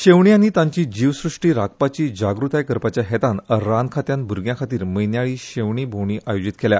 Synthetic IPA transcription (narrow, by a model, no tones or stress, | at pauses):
ɕeʋɳianit̪ãɲt͡ɕiːd͡ʑiʋsɾuʂʈiːɾak̚pat͡ɕiːd͡ʑaɡɾut̪ajkəɾpat͡ɕjaɦɛt̪anɾankʰat̪jãnbʱuɾɡjãkʰat̪iːɾməjnjaɭiːɕeʋɳiːbʱowɳiːʔʔajod͡ʑit̪kelja